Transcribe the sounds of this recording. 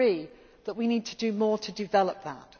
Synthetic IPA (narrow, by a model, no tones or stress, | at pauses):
i | ðəʔwiniːd̚tʰədəmɔːtʰədɪvɛləp̚ðə̰t